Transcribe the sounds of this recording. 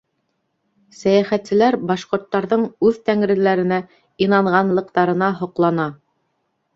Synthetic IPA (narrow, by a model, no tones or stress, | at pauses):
sæjæχæt̪sɘ̆læɾbɑʃqŏɾt̪ːɑɾðɤɴʉðt̪æŋɾɘ̆læɾɘ̆næ | inɑɴʁɑnlˠɤ̆qt̪ɑɾɤ̆nɑɦŏqlˠɑnɑ